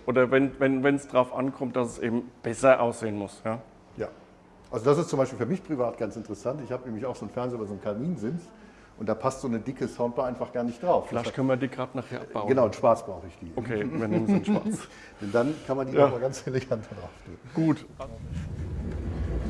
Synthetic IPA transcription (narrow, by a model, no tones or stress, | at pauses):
ʔoːdɐvɛnvɛnvɛnsd̥ʁaʊfʔankʰɔmt̚d̥asɛsʔeːbm̩b̥ɛsɐʔaʊsz̥eːənmʊsjaː | jaː | ʔalzodasɪstt͡sʊmaɪʃpilfyːɐmɪçpʁ̥ivaːt̚ɡ̥ant͡sɪntəʁəsantɪçhaːbənɛːmlɪçaʊxz̥oːnfɛɐnzeːybazoːnkʰamiːnzɪns | ʔʊntd̥aːpʰastz̥oːnədɪkʰəsaʊnt̚b̥aʔaɪnfaχɡ̥aːɐnɪçt̚d̥ʁaʊffɪlaɪtkʰœnənviːɐdiːɡʁaːtnaːχheːɐʔapbb̥aʊɡənaʊɪnʃpaɐt͡sb̥ʁaʊxəɪçd̥ḭːokʰeːviːɐnɪŋɪnʃpa̰ːt͡s | d̥ɛndankʰanmandiːjaːmaɡant͡selevantadʁaʊfd̥ḛːɡ̥uːtʔazo